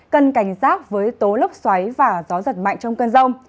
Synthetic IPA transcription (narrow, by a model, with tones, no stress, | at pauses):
kə˨nka˧˩jŋ̟saː˦˥t̚vəː˨˦jt̪o˨˦lə˦˥k͡p̚swa˨˦jvaː˨˩zɔ˨˦zə˨˩t̚ma̰˧˨jŋt͡ɕɔ˧wŋ͡mkə˧nzə˧wŋ͡m